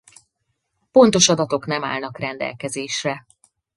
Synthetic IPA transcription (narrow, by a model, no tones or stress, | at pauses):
po̞nt̪o̞ʃɒd̪ɒt̪o̞knɛma̰ːlnɒkrɛnd̪ɛ̰lkɛzeːʃrɛ